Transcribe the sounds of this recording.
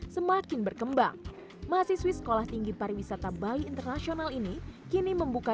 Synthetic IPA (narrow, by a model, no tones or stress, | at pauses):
səmakɪnbərkəmba̰ŋ | masiswisə̥kolaht̪iŋɡiparwisat̪abaliːnt̪ərnasionalinikiniməmbuka